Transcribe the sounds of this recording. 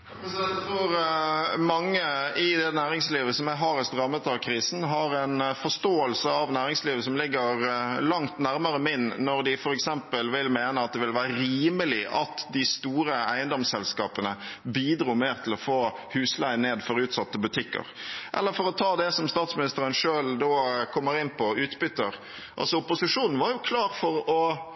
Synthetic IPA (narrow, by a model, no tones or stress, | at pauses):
t̪ʰɾuːɾmɑŋːəɪd̪ɛnæːɾɪŋsliːʋəsɔmæɦɑɾɛt̪ɾɑmːət̪ɑʋkʰɾiːsn̩ɦɑɾɛnfɔst̪oːəlsəɑʋnæːɾɪŋsliːʋəsɔmlɪɡːəɾlɑŋt̪næɾməɾəmɪnːnɔɾd̪ɪfɔɾɛksɛmpəlʋɪlmeːnəɑt̪̚d̪ɛʋɪlʋæːɾəɾiːməlɪʔɑ̰t̪d̪ɪst̪uːɾəæɪənd̪ɔmsɛlskɑ̰ːpənəbiːd̪ɾuːmeːɾt̪ʰɪlɔfoːhʉːslæɪneːd̪fɔɾʉːt̪sɑt̪ːəbʉt̪ʰɪkːə̰ɾʔɛ̰lːəɾfɔɾɔt̪ʰɑːd̪ɛsɔmst̪ɑːt̪smɪnɪst̪əɾənʂøːld̪okʰɔmːəɾɪnːpʰɔʉːt̪bʏt̪ːəɾ | ʔɑ̰lsɔʊpʊsɪʂuːnn̩ʋɑɾjʊkʰlɑːɾfɔɾɔ